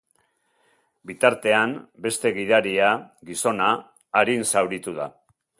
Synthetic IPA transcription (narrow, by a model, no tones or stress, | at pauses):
bit̪aɾt̪e̞ambe̞st̪e̞ɣiðaɾiaɣiso̞naː | ɾinsawɾit̪uð̞a̰